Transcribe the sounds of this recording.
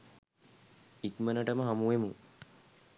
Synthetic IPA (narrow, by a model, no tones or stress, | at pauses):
ikmənəʈəməɦamuemu